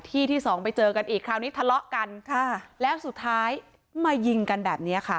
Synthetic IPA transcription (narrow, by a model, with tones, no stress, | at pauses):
t̪ʰiː˥˩t̪ʰiː˥˩sɔː˩˦ŋpa˧jt͡ɕɤː˧ka˧nʔiː˨˩kʰɾaː˧˩wniː˦˥t̪ʰa˧lɔ˦˥ʔka˧nkʰa˥˩lɛː˦˥wsu˨˩t̪ʰːaː˦˥j | maː˧ji˧ŋka˧nbɛː˨˩p̚niː˦˥ɐ˨˩kʰa˦˥˩